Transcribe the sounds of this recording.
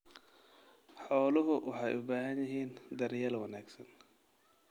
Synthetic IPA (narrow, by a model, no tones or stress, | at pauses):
ħɔːlʊɦʊwʔɑħɑjʔʊbaːɦɐnjɪɦiːnd̪ɐɾjaːlwɑnaːɡsɐn